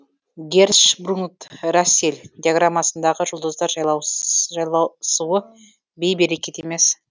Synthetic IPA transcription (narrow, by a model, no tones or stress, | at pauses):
ɡʲeɾʃbrunt̪raselʲd̪ʲijaɡramːasənd̪ɑʁəʒʊlˠd̪əzd̪ɑɾʒɑjlˠɑwjlˠɑsuə | be̞jbe̞ɾe̞kʲe̞t̪e̞me̞s